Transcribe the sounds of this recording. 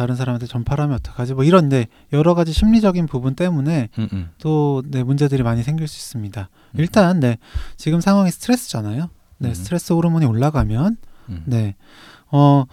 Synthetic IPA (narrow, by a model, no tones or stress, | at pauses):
taɾɯns̬ʰaɾamantʰet͡ɕʌmpʰaɾɦamiʌt͈ʌk͈ʰad͡ʑimwʌiɾʌnne̞ | jʌɾʌɡad͡ʑiɕʰimɲid͡ʑʌɡinpubunt͈e̞mune̞t͈one̞mund͡ʑe̞dɯɾimaɲisʰe̞ŋɡiɭs͈ui̥s͈ɯmɲida | iɭt͈anːe̞t͡ɕiɡɯmsʰaŋɦwaŋisʰɯ̥tʰɯɾe̞s͈ɯ̥d͡ʑanajo | ne̞sʰtʰɯɾe̞s͈ɯoɾɯmuɲioɭːaɡamjʌnːe̞ | ʌ